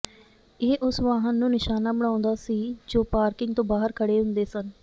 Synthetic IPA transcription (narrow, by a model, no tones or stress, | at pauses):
eːʔʊsʋaːɦənːũːnɪʃaːnaːbəɽ̃ãːnd̪aːsiːd͡ʒoːpaːɾkɪŋɡ̚t̪õːbaːɦəɾkʰəɽeːɦʊ̃nd̪eːsən